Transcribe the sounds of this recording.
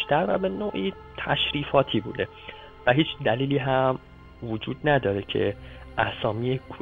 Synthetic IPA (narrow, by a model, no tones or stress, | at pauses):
ʃt̪æɾvæbe̞noːʔiː | t̪ʰæʃɾiːfɒːt̪ʰiːbṵːd̪e̞ | væɦiːt͡ʃʰd̪æliːliːɦæm | vod͡ʒuːd̪̚næd̪ɒːɾecʰe̞̰ʔæsɒːmiːjekʰ